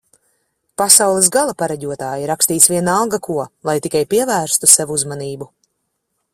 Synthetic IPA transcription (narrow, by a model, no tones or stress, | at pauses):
pasawlˠis̬ɡalˠapaɾaɟʲuɔt̪aːjiɾakst̪iːt̪svʲiɛnaalˠɡakuɔlˠajt̪ikajpiɛvæːɾst̪usɛvuuzmaniːbu